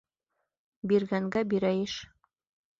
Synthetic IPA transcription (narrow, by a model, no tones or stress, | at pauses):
biɾɡæŋɡæbiɾæjɘʃ